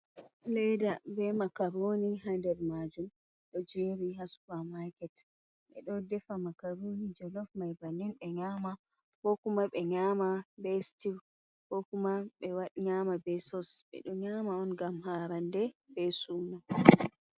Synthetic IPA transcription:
lɛjdabɛmakaɾonihandɛɾmad͡ʒum | ɗɔd͡ʒeːɾiɦaskamakɛt | ɓɛ̰ɗɔdɛfamakaɾonid͡ʒɔlɔfmajbaninɓɛɲaːma | kɔkumaɓɛɲaːmabɛstiɾ | kɔkumaɓɛwaɗɲamabɛsɔsɓɛ̰ɗɔɲamaɔnɡamhaɾandɛb̥ɛsuːna

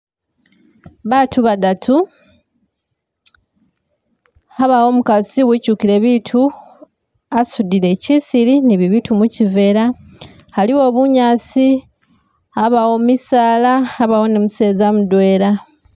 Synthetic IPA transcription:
βatʰuβadatʰu | aβawo̞mukaziwicukiɾe̞βitʰu | asudiɾe̞cisiɾiniβiβitumucive̞ːɾa | haliwo̞ːβuɲaːsi | aβawomisaːlaaβawo̞nemuse̞ːzamudwe̞ːɾa

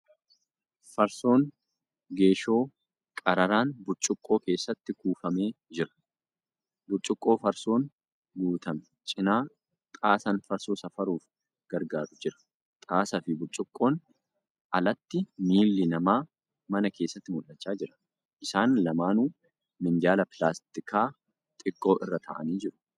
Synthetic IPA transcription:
fɐɾso̞ːn | ɡe̞ːʃo̞ː | kʼɐɾɐɾaːnbʊt͡ʃʼːʊkʼːo̞ːke̞ːsːɐt̪ːɪkuːfɐme̞ːd͡ʒɪɾɐ̥ | bʊt͡ʃʼʊkʼːo̞ːfɐɾso̞ːn | ɡuːt̪ɐmɛ̥ | t͡ʃʼɪnaː | t̪ʼaːsɐnfɐɾsoːsɐfɐɾuːf | ɡ̥ɐɾɡaːɾʊd͡ʒɪɾɐ̥ | t̪ʼaːsɐfɪbʊt͡ʃʼːʊkʼːo̞ːn | ʔɐlɐt̪ːɪmiːlːɪnɐmaː | mɐnɐke̞ːsːɐt̪ːɪmʊlɐt͡ʃːaːd͡ʒɪɾɐ̥ | ʔɪsaːnlɐmaːnuː | mɪnd̪ɪjaːlɐplaːst̪ɪkaː | t̪ʼɪkʼːo̞ːʔɪrːɐt̪ʰɐ̰ʔɐ̰niːd͡ʒɪɾʊ̥

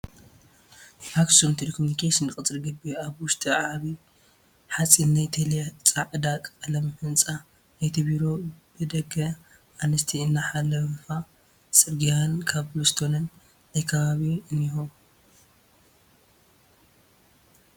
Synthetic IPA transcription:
faksumt̪ʰelkʰomunikʰeʃinkʼɨt͡sʼɾɡɨbiaβwʊʃt̪ʼiʕaʕβi | ħat͡sʼinnajt̪ʰelet͡sʼaʕɨd̪akʼalɐmfɨnt͡sʼa | najt̪ʰiβiɾo̞b̥ɨd̪ɐɡɐ | ʔanɨst̪ʰiɨnːaħalːɐwɨfa | sʼɨɾɡijankʰaβlust̪ʰonɨn | najkʰɐβaβiɨnjihum

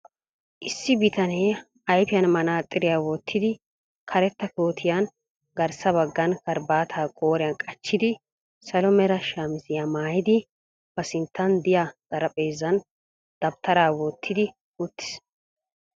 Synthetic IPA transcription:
ʔɪsːɪbɪt̪ʰɐneː | ɐjpɪjɐnmɐnaːt̪ʼːɪɾɪjaːwɔt̪ʰːɪd̪ɪ | kʰɐɾɛt̪ːɐkoːt̪ʰɪjan | ɡɐɾsɐβɐɡːɐnkɐɾbaːt̪ʰaːkʼo̞ːɾɪjɐnkʼɐt͡ʃːɪd̪ɪ | sɐlɔmɛɾɐʃaːmɪzɪjamaːjɪd̪ɪ | b̥ɐsɪnt̪ːɐnd̪ɪjaz̥ɐɾɐpʼeːzːɐn | d̪̥ɐbt̪ʰːɐɾaːwɔt̪ʰːɪd̪ɪ | ʊt̪ːɪ̥s

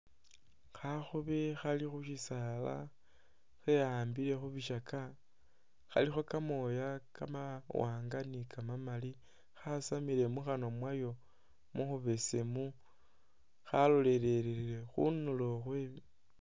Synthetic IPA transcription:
xaxuβexalixuʃisala̰ | xeaːmbile̞xuβiʃakʰa | xa̰lixo̞kamo̞jakamawaːŋɡanikʰamamali | xasamiɾe̞muxano̞mwajo̞ | muxuβesemu | xalo̞le̞ɾe̞ɾiɾile̞xṵnuloxweβi

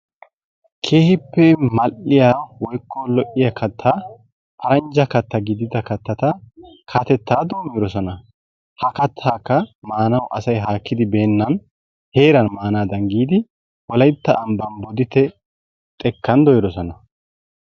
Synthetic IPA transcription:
kʰe̞ːhɪpːɛmɐʔːɪjaːwɔjkːɔlɔʔɪjɐkʰɐt̪ʰːaː | pʰɐɾɐnd͡ʒɐkɐt̪ːɐɡɪd̪ɪd̪ɐkɐt̪ːɐt̪ɐkʰat̪ɛt̪ːaːd̪oːmiːɾɔsɔnɐ | hɐkɐt̪ʰːaːkːɐmaːnɐwʔɐsɐjɦaːkːɪd̪ɪbe̞ːnːɐn | he̞ːɾɐnmaːnaːd̪ɐŋɡiːd̪ɪ | wɔlɐjt̪ːɐːmbɐnbɔd̪ɪt̪ːɛ | t̪ʼɛkːɐnd̪ɔjɪd̪ɔsɔnɐ

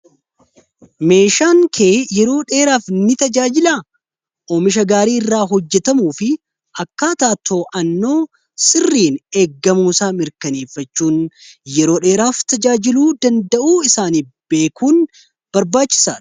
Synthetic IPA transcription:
me̞ːʃaːŋkʰe̞ːjɛɾo̞ːᶑe̞ːɾaːfnɪt̪ɐd͡ʒaːd͡ʒɪla | ʔoːmɪʃ̬ɐɡaːɾiːɪrːaːɦɔd͡ʒːɛt̪ɐmuːfɪ | ɐkːaːt̪aːt̪ʰːo̞ːʔɐnːo̞ː | sɪrːiːneːɡːɐmuːsaːmɪɾkɐneːfːɐt͡ʃːuːnjɛɾo̞ːᶑe̞ːɾaːft̪ɐd͡ʒaːd͡ʒɪluːd̪ɐnd̪ɐʔuːɪsaːniː | b̥e̞ːkʰuːn | b̥ɐɾbaːt͡ʃːɪ̥saːᶑ̥

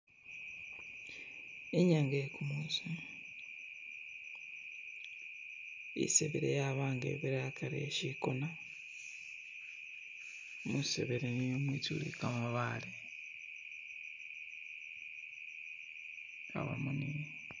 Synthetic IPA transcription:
eɲaːŋɡajekʰumizu | ḭseβeɾḛjaβaːŋɡḛβiɾajakʰaɾeʃikona | musḛβeɾenijomwiːt͡sulḭkamaβale | a̰βa̰munini

